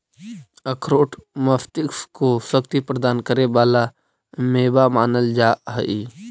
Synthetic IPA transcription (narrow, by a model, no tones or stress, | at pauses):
əkʰɾoːʈməft̪ɪkskosəkt̪ipɾəd̪aːnkəɾeʋaːla | meːbamaːnəld͡ʒaːɦəʔiː